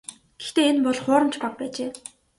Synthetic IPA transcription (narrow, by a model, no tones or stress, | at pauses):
ɡ̥ext̪eːenpɔɮχʊːɾə̆mt͡ɕʰpak̚pæːt͡ɕeː